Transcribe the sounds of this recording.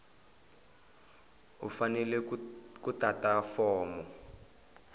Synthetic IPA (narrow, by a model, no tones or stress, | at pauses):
ṵfanɛlɛkutatafɔːmɔ